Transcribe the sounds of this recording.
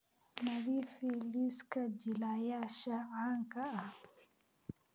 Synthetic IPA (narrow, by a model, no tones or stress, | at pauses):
mɐðiːfiliːskʰɐd͡ʒɪlaːjaːʃɐʕaːŋkʰɐːh